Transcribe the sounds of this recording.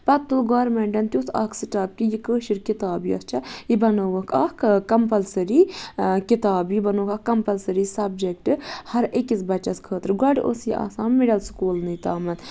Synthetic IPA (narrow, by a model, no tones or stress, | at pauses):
pɐt̪t̪ːulɡoːɾmeɳʈɐnt̪ʲjusaːkʰsiʈaːp̚kijikəːʃiɾkit̪aːbiɐ̰st͡ʃʰɐibɐnoʋɐkʰɐkʰkɐmpɐlsɐɾikit̪aːbjibɐnoːkɐkːɐmpɐlsɐɾisɐb̚d͡ʒek̚ʈɨhɐɾʔekisbɐt͡ʃɐskʰəːt̪ɾɡɐɖiʔo̰sjiʔa̰ːsaːnmiɖɐlskuːlnit̪aːmɐn